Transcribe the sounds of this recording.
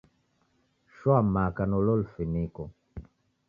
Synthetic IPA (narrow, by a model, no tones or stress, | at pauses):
ʃwamakanɔlɔlfinikɔ